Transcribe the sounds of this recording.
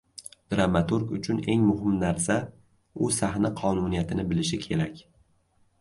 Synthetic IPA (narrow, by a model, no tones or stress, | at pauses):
d̪̥ɾamat̪ʊɾkʊt͡ʃʰʊne̞ŋmʊɦɪmnaɾsa | ʊsahnaqʰɒnunijat̪ʰɪnɪbɪlɪʃɪkʲʰe̞ɾakʲ